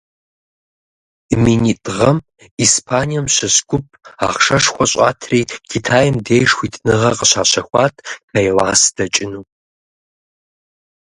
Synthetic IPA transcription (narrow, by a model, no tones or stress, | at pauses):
minitʼʁɐm | iːspʰaːnijɐmɕɐsɡʷʊpʰʼa̰ːχʂɐʂxʷɔɕʼa̰ːtʰriːkʰitʰaːjɪmdeːjʂxʷitʰnɨʁɐqəɕaːɕɐxʷɑːtʰpɐjlaːsd̥ɐt͡ʃʼɪnuː